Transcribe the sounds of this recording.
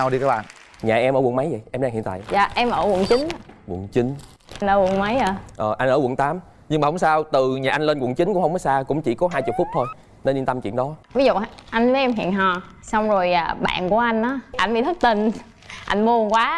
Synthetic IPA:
wi˧kaː˨˦˥ɓa̰ː˧˨ | ɲaː˨˩ʔɛ˧mʔəː˧˩w̰nma˨˦jvə̰˨jʔɛ˧mɗaː˧ŋḭ˧˨t̪a̰ː˧˨jza̰ː˧˨ʔɛ˧mʔəː˧˩w̰nt͡ɕï˨˦na˨kṵ˨˧˩əŋt͡ɕï˨˦ŋ | ʔa˧nʔəː˧˩wu˨˧˩ŋma˨˦jʔəː˧˩ʔəː˨˩ʔa˧ŋ̟ʔəː˧˩wə˧˩ŋt̪aː˨˦m | ɲɨ˧ŋma˨˩hʊ˨˦ŋ͡msaː˧wt̪ɨ˨˩ɲaː˨ʔa˧ŋlə˧nkwṵ˧˩əŋt͡ɕi˨˦ŋkʊ̰˧˥ŋ͡mhə˧wŋ͡mkɔ˨˦saː˧kʊ̰˧˥ŋ͡mt͡ɕḭ˧˩kɔ˨˦ɦaː˧jt͡ɕʊ˨˩fʊ˦˥k͡p̚t̪ʰo˧j | nə˧nɗi˧nt̪a˧mt͡ɕḭ˧˨ənɗɔ˨˦vi˨˦zṵ˧˨ha˧˩ʔa˧jŋvəː˨˦jʔɛ˧mɦḭ˧˨ənɦɔ˨˩ | sa˧wŋ͡mzo˨˩jaː˨˩ɓa̰ː˧˨nku˧˩əʔa˧jŋ̟ʔaː˨˦ʔa˧jnɓḭ˨˧˨t̪ʰə˦˥t̚t̪i˧˩n | ʔa˧jŋm˧˨˩ŋkwaː˨˦

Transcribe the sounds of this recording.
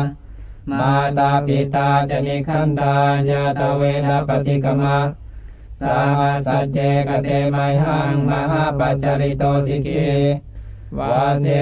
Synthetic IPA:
maː˧t̪aː˧pi˧t̪aː˧t͡ɕa˧˨mi˧kʰa˥˨nt̪aː˧ja˧t̪a˧weː˧nda˧pːa˧t̪i˧ka˧ma˧ | sa˧ma˧sa˧t͡ɕɛ˧ka˧t̪ɛ˧ma˧jɦa˧˥ŋma˧ɦa˥˨pa˧t͡ɕa˧ɾi˧t̪ɔː˧si˧kʰe˧ | wa˧sɛ˧

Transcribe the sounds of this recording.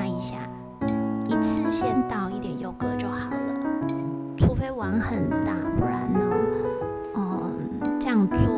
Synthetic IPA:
i˧˥ɕja̰˥˩ | i˧t͡sʰɹ̩˥˩ɕjɛ˦˥nt̪ɑ˨˩ʊi˥˩t̪jɛ˨˩njo˨˧˩ʊkɤ˥˧ʈ͡ʂo˨˩˦ŋhɑ˨˩˦ʊd̪ə˦ | t͡sʰu˥fe˥ɪwɑ˧˥ŋhə˨˩nt͡sa̰˥˩pu˥˩ɻa̰˧˦nə˧˦ | ə˨˩ | t͡ɕa˥˧ŋt͡su˥

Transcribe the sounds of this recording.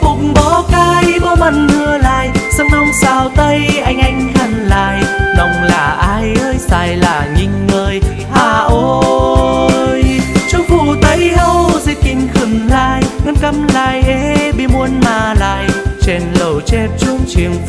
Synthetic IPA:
kʊ˨˩ŋ͡m̚ŋ͡mɓɔ˨˦kaː˧jɓɔ˧˦ma˧˩nŋɨ˧əlaː˧˨jza˧ŋnɔ˧wŋ͡msaː˧˩wt̪ə˧jʔa˧jŋ̟ʔa˧jŋ̟kə˧˩nlaː˧˩jnɔ˨˧˩wŋ͡mlaː˨˩ʔaː˧jʔəː˧jsaː˧˩jlaː˧˩ɲi˧˩ŋ̟ːəː˧˩j | haː˧˩ʔo˧˦˧ | jt͡ɕʊ˧ŋ͡mvu˧˩t̪ə˨˦jhə˧wzi˧˩kï˧˩ŋ̟xɨ˨˧˩ŋhaː˧˩jŋɨ˧˦nkə˧mlaː˧˩jʔe˨˦ɓi˧˥mu˧ənmaː˧˩la̰ː˧˨jt͡ɕe˧˩nlə˨˩wt͡ɕɛ˧p̚t͡ɕʊ˧ŋ͡mt͡ɕi˨˩əŋ

